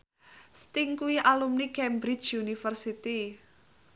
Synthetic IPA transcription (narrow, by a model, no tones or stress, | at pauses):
st̪ɪŋkuiʔalumnikɛmbɾi̥d͡ʒunifərsit̪i